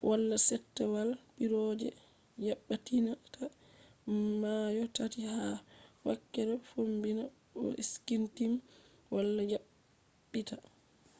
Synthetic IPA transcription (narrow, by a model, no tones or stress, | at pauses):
wʔalːasɛtːɛwalbiɾɔd͡ʒɛ̰ | jaɓːatinata | majɔtatihawa̰kːɛɾɛfombina | ɔ̰ʔiskintim | walːad͡ʒaɓː | ita